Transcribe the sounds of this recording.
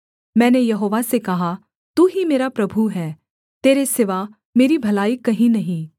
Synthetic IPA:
mɛ̃ːnejɐɦoːʋasekɐɦa | t̪uːɦimeːɾapɾɐbʱuɦɛː | t̪eːɾesɪʋa | meːɾibʱɐlaːikɐɦĩnɐɦĩː

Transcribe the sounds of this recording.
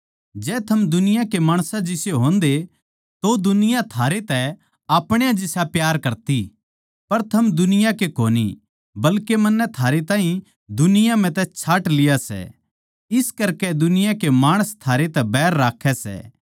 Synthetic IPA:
d͡ʒɛːt̪ʰɐmd̪ʊnɪjãkemaːɽ̃sãd͡ʒɪseɦõːnd̪e | t̪od̪ʊnɪjãt̪ʰaːɾet̪ɛ | aːpɽ̃ejãd͡ʒɪsapjaːɾkɐɾt̪i | pɐɾt̪ʰɐmd̪ʊnɪjãkekoːnḭ | bɐlkemɐnːɛt̪ʰaːɾet̪ãːɦĩ | d̪ʊnɪjãm̤ɛ̃t̪ɛt͡ʃʰaːʈlɪjasɛ̰ | ɪskɐɾkɛd̪ʊnɪjãkemaːɽ̃əst̪ʰaːɾet̪ɛbɛːɾːaːkʰːɛsɛ̰ː

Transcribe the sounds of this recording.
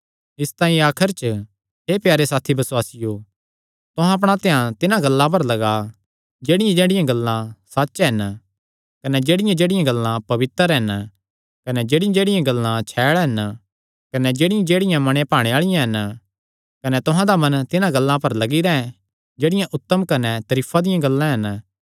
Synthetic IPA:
ɪst̪ãːĩaːkʰəɾt͡ʃ | ɦepjaːɾesaːt̪ʰibɐswaːsɪjoː | t̪ʊ̃ɦãɐp̬ɽ̃at̪eɦãt̪ɪnãɡɐlːãp̬ɐɾlɐɡa | d͡ʒeːɽɪjãd͡ʒeːɽɪjãɡɐlːãsatːʃɦɐn | kɐnɛd͡ʒeːɽɪjãd͡ʒeːɽɪjãɡɐlːãpɐʋɪt̪əɾɦɐn | kɐnɛd͡ʒeːɽɪjãd͡ʒeːɽɪjãɡɐlːãt͡ʃʰɛːɭɦɐn | kɐnɛd͡ʒeːɽɪjãd͡ʒeːɽɪjãmɐɽ̃ẽpaːɽ̃eaːɭɪjãɦɐn | kɐnɛt̪ʊɦãd̪amɐnt̪ɪnãɡɐlːãpɐɾlɐɡiɾaɛ̃ | d͡ʒeːɽɪjãʔʊt̪ːəmkɐnɛt̪ɐɾiːpʰad̪ɪjãɡɐlːãɦɐn

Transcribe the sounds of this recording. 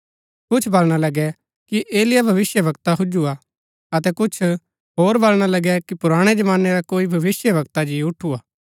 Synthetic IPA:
kʊt͡ʃʰbɐlɽ̃alɐɡɛ | kiʔeːlɪjabʱɐʋɪsjəbɐkt̪aɦʊd͡ʒua | ɐt̪ɛkʊt͡ʃʰ | ɦoːɾbɐlɽ̃alɐɡɛkipʊɾaːɽ̃ed͡ʒɐmãːnːeɾakoːibʱɐʋɪsjəbɐkt̪ad͡ʒiʊʈʰuaː

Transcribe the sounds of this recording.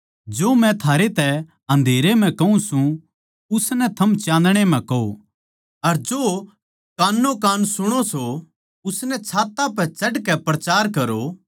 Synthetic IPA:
d͡ʒoːmɛ̃t̪ʰaːɾet̪ɛ | ɦɐ̃nd̪ʱeːɾem̤ɛ̃kɐũsũ | ʊsnɛt̪ʰɐmt͡ʃãːnd̪ɽ̃emɛ̃kɐo̰ | ɐɾd͡ʒoː | kaːnːokaːnsʊɽ̃oso | ʊsnɛt͡ʃʰaːt̪apɛt͡ʃɐɖkɛpɾɐt͡ʃaːɾkɐɾo

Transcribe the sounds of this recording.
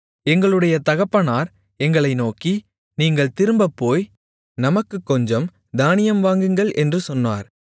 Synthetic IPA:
ɛŋɡɐɭɯɽɐjɐt̪ɐɣɐpːɐnaːɾ | ɛŋɡɐɭɐɪnoːki | niːŋɡɐɭt̪ɪɾɯmbɐpːoːj | nɐmɐkːɯkːɔɲd͡ʒɐm | d̪aːnɪjɐmʋaːŋɡɯŋɡɐɭʔɛndrɯsɔnːa̰ːɾ

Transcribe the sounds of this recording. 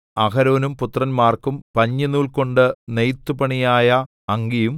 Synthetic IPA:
ɐkɐɾo̞ːnumput̪ːrɐnmaːrkumpɐɲːinuːɭko̞ɳɖɨnejt̪ːupɐɳijaːjɐ | ɐŋɡijum

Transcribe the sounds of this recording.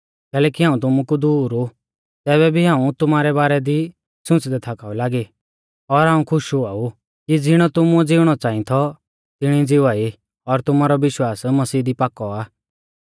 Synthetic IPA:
kɛːlɛːkiɦaːũt̪ʊmukud̪uːɾu | t̪ɛːβɛbʱiɦaːũt̪ʊmaːɾɛbaːɾɛd̪i | sʊ̃t͡sd̪ɛt̪ʰaːkaːulaːɡi | ɔɾɦaːũkʰʊʃuaːu | kid͡zɪɽ̃ɔt̪ʊmud͡zɪʊɽ̃ɔt͡sãːĩt̪ʰɔ | t̪ɪɽ̃id͡zɪʋaːi | ɔɾt̪ʊmaɾɔʋɪʃwaːsmɐsiːd̪ipaːkɔaː

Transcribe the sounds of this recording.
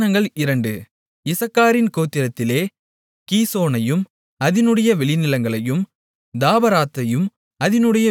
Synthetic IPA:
nɐŋɡɐɭɪɾɐɳɖɯ | ɪsɐkːaːɾɪnkoːt̪ːɪɾɐt̪ːɪleː | kiːsoːnɐjɯm | ɐðɪnɯɽɐjɐʋɛɭɪnɪlɐŋɡɐɭɐjɯm | d̪aːbɐɾaːt̪ːɐjɯm | ɐðɪnɯɽɐjɐ

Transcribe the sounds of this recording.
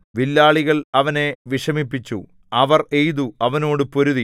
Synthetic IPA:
ʋilːaːɭiɣɐɭɐʋɐne̞ʋiʂɐmipːit͡ɕːu | ɐʋɐre̞jðuɐʋɐno̞ːɽɨpo̞ɾuði

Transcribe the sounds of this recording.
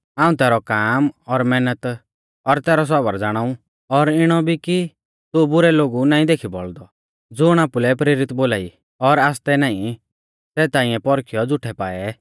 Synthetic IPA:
aːũt̪ɛːɾɔkaːmɔɾmɛːnət̪ | ɔɾt̪ɛːɾɔs̬ɔbəɾd͡zaːɽ̃aːũ | ɔɾɪɽ̃ɔbʱiki | t̪ubʊɾɛloːɡunaːĩd̪eːkʰibɔ̰ɭd̪ɔ | d͡zʊɽ̃aːpulɛpɾeːɾɪt̪boːlaːḭ | ɔɾaːst̪ɛnaːĩ | sɛːt̪aːĩɛ̃pɔɾkʰijɔd͡zʊʈʰɛpaːɛ

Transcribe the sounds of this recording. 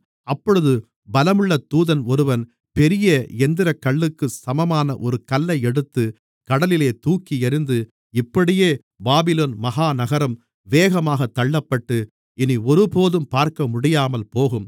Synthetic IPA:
ɐpːɔɻɯðɯ | bɐlɐmɯɭːɐt̪uːðɐnɔɾɯʋɐn | pɛɾɪjɐɛnd̪ɪɾɐkːɐɭːɯkːɯsɐmɐmaːnɐ̰ʔɔɾɯkɐlːɐɪɛɽɯt̪ːɯ | kɐɽɐlɪleːt̪uːkːiɛɾɯnd̪ɯ | ɪpːɐɽɪjeː | baːbɪloːnmɐɦaːnɐɣɐɾɐm | ʋeːɣɐmaːɣɐt̪ːɐɭːɐpːɐʈːɯ | ɪniɔɾɯpoːðɯmpaːɾkɐmʊɽɪjaːmɐlpoːɣɯm

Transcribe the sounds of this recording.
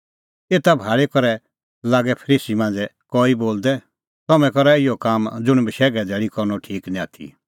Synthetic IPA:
eːt̪abʱaːɭekɔɾɛ | laːɡɛpʰəɾiːsimãːnd͡zɛkɔiboːld̪ɛ | t̪ɔmɛ̃kɔɾɛɪjɔkaːmd͡zʊɽ̃bɪʃɛːɡɛd̪ɛːɭikɔɾnɔʈʰiːknĩaːt̪ʰḭ

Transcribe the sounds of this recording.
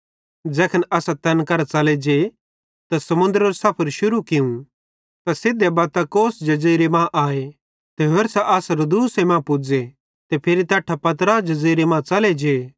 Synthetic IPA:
d͡zɛːkʰənɐsat̪ɐnkɐɾat͡ʃɐled͡ʒe | t̪asɐmʊ̃nd̪ɾoːɾsaːpʰəɾʃʊɾukɪũ | t̪asɪd̪ebaːt̪akoːsd͡ʒɐziːɾemãːʔaːe | t̪eɦeɾsaʔɐːsɾod̪uːsemãːpʊd͡ze | t̪epʰɪɾit̪ɛːʈʰːapɐt̪̬ɾad͡ʒɐd͡ziːɾemãːt͡sɐled͡ʒeː

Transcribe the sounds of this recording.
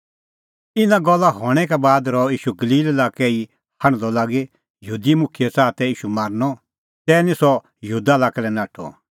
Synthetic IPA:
ɪnãɡɔlːaɦɔːɽ̃ɛkɛbaːd̪ɾɔiːʃuɡɐliːlɛlaːkɛi | hɐ̃ɽ̃lɔlaːɡe | jəɦuːd̪imʊkʰɪjɛsaːt̪ɛiːʃumaːɾnɔ | t̪ɛːnĩsɔ | jəɦuːd̪alaːkɛlɛnaːʈʰɔ̰

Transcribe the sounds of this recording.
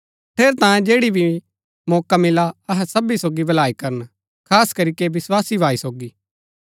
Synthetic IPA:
pʰeːɾt̪ãːjẽd͡ʒeːɽibʱi | mɔːkamɪlaɐɦɛsɐbisoːɡibɐlaːikɐɾən | kʰaːskɐɾikeʋɪswaːsibʱaːisoːɡiː

